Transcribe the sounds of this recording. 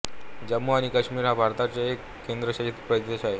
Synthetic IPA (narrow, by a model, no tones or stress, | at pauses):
d͡ʑəmːoañikəɕmiɾɦabʱaɾt̪at͡ɕeekːend̪ɾəɕəɦit̪pɾəd̪eɕaɦe